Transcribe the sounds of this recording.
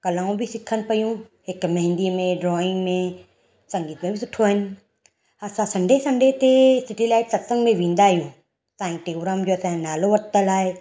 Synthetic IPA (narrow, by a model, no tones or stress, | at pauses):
kɐlãːũbʱɪsɪkʰənɪ̆pɐjũɦɪkmɐɦɪ̃nd̪imẽɖɾɔːɪ̃ŋɡmẽ | sɐ̃ŋɡiːt̪mẽbʱisʊʈʰːoɦɪnɪ̆ | ɐsãsɐ̃ɳɖʱesɐ̃ɳɖʱet̪esɪʈilaːɪʈsɐt̪sə̃ŋɡmẽʋĩːn̆d̪aɦijũ | sãːɪ̃ʈeːɡɾaːmd͡ʑoːɐsãnaːloʋɐɾt̪əlaːɦe